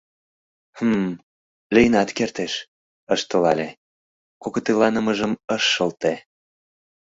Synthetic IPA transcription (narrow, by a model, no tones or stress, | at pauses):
həm | lʲijnɑt̪kert̪eʃ | əʃt̪ə̆lɑlʲe | koɣot̪ilɑnəməʒəməʃːəlt̪e